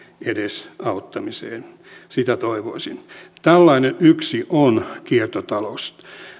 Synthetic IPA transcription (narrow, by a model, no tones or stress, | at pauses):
edesɑut̪ːɑmisḛːn | sit̪æt̪oiʋoisint̪ælːɑinenʔyksiʔonkiert̪ot̪ɑlost̪